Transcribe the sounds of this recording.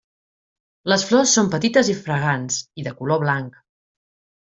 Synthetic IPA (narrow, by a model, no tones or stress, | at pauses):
ləsflɔsːompət̪it̪əzifɾəɣ̞ansiðəkuloβlaŋk